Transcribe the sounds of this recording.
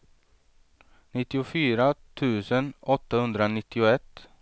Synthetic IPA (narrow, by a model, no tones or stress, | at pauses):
nɪt̪ːɪʊfyːɾat̪ʰʉ̟ːsənɔt̪ːahɵnd̪ɾanɪt̪ːɪʊɛt̪ː